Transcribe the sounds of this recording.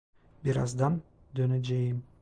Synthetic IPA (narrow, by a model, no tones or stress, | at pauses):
biɾɑ̰zd̪ɑn | d̪ønæd͡ʒejim